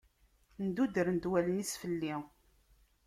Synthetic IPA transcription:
nd̪ud̪əɾnd̪wælənisfəlːi

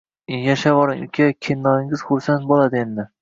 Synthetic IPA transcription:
jaʃavɒɾɪŋʊ̰kʲʰakʲʰenːɒɪŋɪz̥χʊɾsant̪̚bolˠad̪ɪend̪ɪ

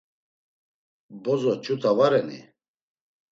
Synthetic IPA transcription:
bɔzɔt͡ʃʰʼut̪ʰavaɾɛnḭ

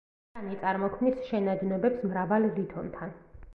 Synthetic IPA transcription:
anit̪sʼaɾmɔkʰmnisʃɛnad̪nɛbɛpsmɾavalˠɾit̪ʰɔnt̪ʰan

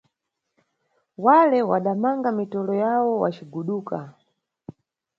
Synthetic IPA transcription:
walɛwaɗamaŋɡamitɔlɔjawɔwa̰t͡ʃiɡuɗuːka

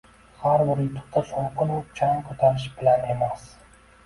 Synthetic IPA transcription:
haɾbɪɾjʊt̪ʰʊ̥qt̪ʰasoɴqɨnʊp̚t͡ʃʰaŋkʰɵt̪ʰaɾɪʃbɪlane̞mas

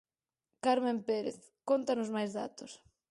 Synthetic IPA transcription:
kaɾmẽmpeɾḛθ | kont̪ɐnʊzmajzða̰t̪ʊs

